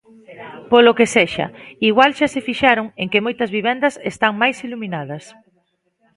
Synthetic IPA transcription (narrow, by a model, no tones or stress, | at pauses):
polokeseʃɐ̰iɣwalʃasefiʃaɾoŋeŋkemojt̪ɐzβiβ̞ɛnd̪ɐsest̪aŋmajsiluminaðɐs